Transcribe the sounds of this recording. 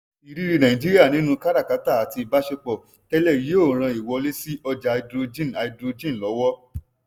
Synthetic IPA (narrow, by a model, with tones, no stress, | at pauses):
i˨ɾi˦ɾi˦nã˨ĩ˨d͡ʒi˦ɾi˦a˦˨nĩ˦nũ˦ka˦ɾa˦˨ka˨˦ta˦˨a˨ti˧i˨ba˦ʃe˧k͡pɔ˨ | tɛ˦lɛ˦˨ɾi˨˦o˦˨ɾ̃ã˧i˨wɔ˨˧le˦si˦ɔ˧d͡ʒa˨˧i˧dɾo˧d͡ʒĩ˦n˨a˧i˧dɾo˧d͡ʒĩ˦˨lɔ˨˦wɔ˦